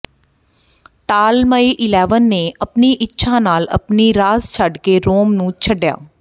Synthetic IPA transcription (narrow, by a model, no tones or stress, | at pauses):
ʈaːlməiːʔɪlɛːʋənːeːəpniːʔɪtːʃʰãːnaːlə̰pniːɾaːzt͡ʃʰəɖkeːɾoːmnũːt͡ʃʰəɖja̰ː